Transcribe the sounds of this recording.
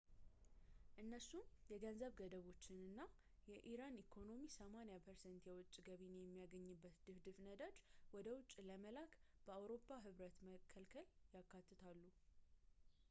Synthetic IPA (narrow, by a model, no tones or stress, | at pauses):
ʔɨnːəsumjɛɡənzəβɡəd̪əβo̞t͡ʃːɪnɨnːa | jɛʔiɾanikʰo̞no̞misəmanejapʰəɾsɛnt̪jɛwɔt͡ʃʼːɡəβinejɛmːijaɡəɲːɨbːət̪d̪̥ɨfd̪ɨfnəd̪at͡ʃːwɔd̪əwʊt͡ʃʼːləməlakb̥əawɾo̞pʰːaɦɨβɾət̪məkʰːəlkʰəljakːat̪ːɨt̪ʰalːu